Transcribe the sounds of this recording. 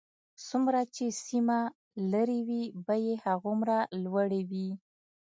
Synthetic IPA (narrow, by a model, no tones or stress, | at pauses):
sumɾat͡ʃesima | laɾiwibajehaɣumɾalwaɽewi